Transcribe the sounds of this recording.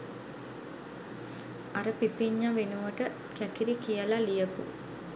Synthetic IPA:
aɾəpipiɲːaʋenuʋəʈə | kækiɾikijəlalijəpṵ

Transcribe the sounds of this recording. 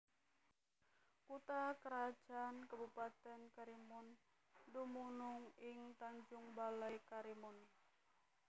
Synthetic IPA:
kut̪akəɾḁd͡ʒ̥ankabupat̪ɛnkaɾimʊn | dumunʊŋɪŋt̪aɲd͡ʒʊŋbalajkaɾimʊn

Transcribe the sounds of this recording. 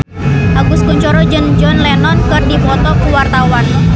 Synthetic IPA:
ʔaɡuskuɲt͡ʃɔɾɔd͡ʒənd͡ʒɔnlɛnɔn̚kɨrdipɔt̪ɔkuwart̪awan

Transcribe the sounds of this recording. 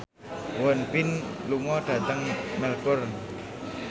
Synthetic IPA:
wənpɪnluŋɔɖ̥a̤t̪əŋmɛlkʊr

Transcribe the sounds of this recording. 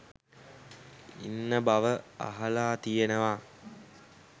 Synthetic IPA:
ḭnːəbaʋəa̰ɦalaːt̪ijenəʋa

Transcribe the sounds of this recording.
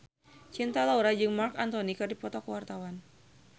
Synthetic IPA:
t͡ʃint̪alauɾad͡ʒɨŋmarkant̪ɔnikɨrdipɔt̪ɔkəwart̪awan

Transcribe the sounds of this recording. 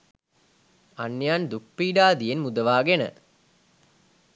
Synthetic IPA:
anjaːnd̪uk̚piːɖaːd̪ijenmud̪əʋaːɡenə̰

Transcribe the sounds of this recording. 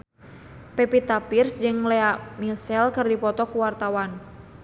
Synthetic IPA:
pɛpit̪apirsd͡ʒɨŋlɛamilsɛlkɨrdipɔt̪ɔkuwart̪awan

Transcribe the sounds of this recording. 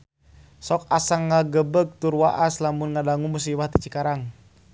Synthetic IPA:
sɔk̚asaŋːaɡəbəɡ̚t̪urwaʔaslamunŋadaŋumus̬iwaht̪it͡ʃikaɾaŋ

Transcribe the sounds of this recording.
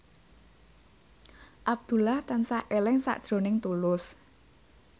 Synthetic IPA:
ʔab̚d̪̥ṳlaht̪ansaʔelɪŋsa̰ʔd̥ʒ̥ɾo̤nɪŋt̪ulʊs

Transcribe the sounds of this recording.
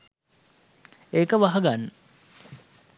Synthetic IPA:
ekəʋaɦɐɡanːə

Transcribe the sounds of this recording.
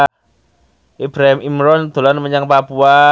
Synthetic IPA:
ib̥ɾaɦimimɾɔnd̪̥o̤lanməɲaŋpapua

